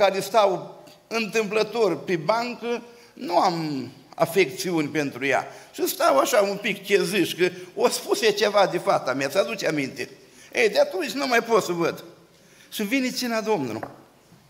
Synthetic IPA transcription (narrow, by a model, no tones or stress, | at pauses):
kaɾest̪aw | ɨnt̪ɨmplət̪o̞rʲpebaŋkə | nuam | a̰fe̞k̚t̪siunʲpent̪ɾuja̰ʃist̪awaʃaumpikkʲezɨʃkəospuset͡ʃevad̪efat̪sameasəad̪ut͡ʃamint̪e | ejd̪eat̪unt͡ʃʲnumajpot̪səvəd̪ | ʂivinet͡ʃinad̪o̞mnṵlṵ